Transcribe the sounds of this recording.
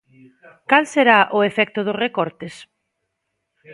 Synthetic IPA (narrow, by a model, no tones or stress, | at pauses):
kalseɾaʔʊefɛk̚t̪ʊðʊsrekɔɾt̪es